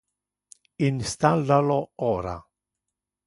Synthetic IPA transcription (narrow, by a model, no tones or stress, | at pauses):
inst̪alːaloɔːɾa̰